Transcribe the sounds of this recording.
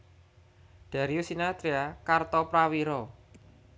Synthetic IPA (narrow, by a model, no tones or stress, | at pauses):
ɖ̪̥a̤ɾiusinat̪ɾiakart̪ɔpɾawiɾɔ